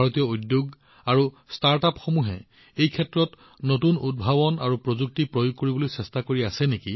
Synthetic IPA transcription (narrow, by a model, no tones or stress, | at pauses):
aɹotijɔudjoɡ | aɹu | staɹtapxomuɦɛ̰ | ejkʰɛtɹɔt | notunud̚bʱabɔnaɹupɹozuk̚tipɹojuɡ̚koɹibolojsɛstakoɹiasɛneki